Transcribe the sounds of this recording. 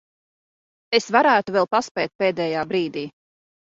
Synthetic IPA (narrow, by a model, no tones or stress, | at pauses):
esvaɾæːt̪uvɛlˠpaspɛːt̪̚peːd̪ɛːjaːbɾiːd̪iː